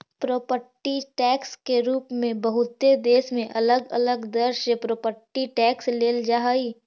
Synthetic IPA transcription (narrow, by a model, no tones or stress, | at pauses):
pɾoːpəʈiʈɛːkskeɾuːpmẽbəɦʊt̪ːed̪eːʃmẽʔɐləɡə̰ləɡd̪əɾʃəpɾoːpəʈiʈɛːksleːld͡ʒaːɦai